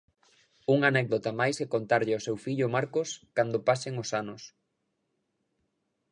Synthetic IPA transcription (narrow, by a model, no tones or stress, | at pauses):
uŋanɛk̚ðot̪amajsɛkont̪aɾʎɪosewfiʎʊmaɾkʊskand̪ʊpaseŋosanʊs